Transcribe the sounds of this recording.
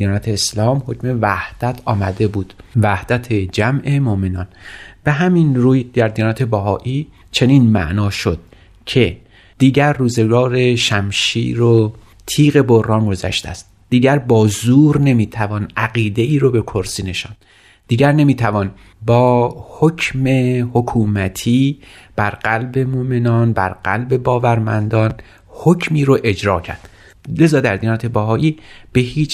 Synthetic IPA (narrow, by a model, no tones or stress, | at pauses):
ijɒːnæt̪ʰeːslɒːmho̞cʰme̞væhd̪̥æt̪ʰɒːmæd̪e̞buːd̪̥væhd̪̥æt̪ʰed͡ʒæmʔemoʔmenɒːnb̥e̞ɦæminɾuːjd̪iæɾd̪ijɒːnæt̪ʰe̞bæɦɒːʔiː | t͡ʃʰe̞ninmæ̰ʔnɒːʃod̪̥ | cʰe̞ | d̪̥iːɟæɾːuːze̞ɡɒːɾe̞ʃæmʃḭːɾo | t̪ʰiːɣe̞bo̞rɒːnɡo̞zæ̰ʃt̪æ̰st̪̚ | d̪̥iːɟæɾbɒːzuːɾne̞miːt̪ʰævɒːnʔæɣiːd̪e̞iːɾobe̞kʰo̞ɾsiːne̞ʃɒːnd̪ | d̥̪iːɟæɾne̞miːt̪ʰævɒn | bɒːhocʰme̞hokʰuːmæt̪ʰiːb̥æɾɢælbe̞momenɒːnbæ̰ɾɢæ̰lbe̞bɒːvæɾmænd̪ɒːn | hocʰmiːɾoʔe̞d͡ʒɾɒːcʰæ̰ɾd̪̥ | le̞zɒːd̪æɾd̪inɑːt̪ʰebæɦɒːʔiːb̥e̞hɦiːt͡ʃ